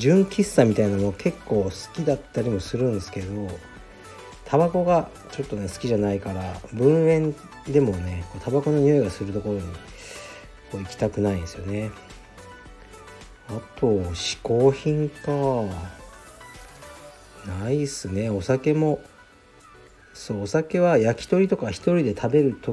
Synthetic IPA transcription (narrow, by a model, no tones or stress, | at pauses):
d͡ʑɨ̃ŋkʲisːamʲit̪ainamokʰe̞kːo̞ːsɨ̥kʲid̪at̪ːaɾʲimo̞sɨɾɯ̟̃nd̪esɨ̥ke̞ed̪o̞ | t̪ʰabako̞ɡa | t͡ɕo̞t̪ːo̞ne̞sɨ̥kʲiʑanaikaɾabɯ̟̃ɰ̃ẽ̞n | d̪e̞mo̞ne̞ko̞ːt̪ʰabako̞no̞ɲ̟ioiɡasɨɾɯ̟t̪o̞ko̞ɾo̞ɲ̟i | koːikʲi̥t̪akɯ̟naĩnd̪esɨjo̞ne̞ | at̪o̞ɕi̥ko̞ːçĩŋka | naisɨne̞o̞sake̞mo̞ | so̞ːsake̞βajakʲi̥t̪o̞ɾʲit̪o̞kaçi̥t̪o̞ɾʲid̪e̞t̪ʰabe̞ɾɯ̟t̪o